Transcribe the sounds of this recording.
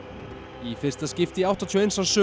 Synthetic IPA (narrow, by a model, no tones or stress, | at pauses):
ifɪr̥st̪ascɪft̪iawht̪at̪ʰjuejnsasʏ